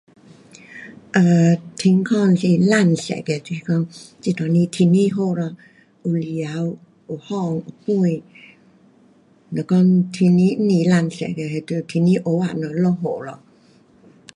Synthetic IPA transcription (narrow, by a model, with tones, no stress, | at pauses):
ʔə˧˩t̪ʰi˧ŋkʰɔ˥˧nsi˨la˧˨nsɛ̰˨kɛ˧˨ti˧kɔ˧ŋt͡si˧t̪ɔ˨ni˧t̪ʰi˧ni˧ɦo˧˨lɔ˧ | u˨li˨a˨˧˦w | u˨hɔ˧˨ŋu˨˩pu˥˧˨j | nɔ˨kɔ˦˧ŋt̪ʰi˧ni˧˦ni˧˨la˧˨nsɛ̰˨kɛ˧he˨˧t̪u˧˨t̪ʰi˧ni˦ʔo˨˦wa˧˨nɔ˨lɔ˧ɦo˨lɔ˧˨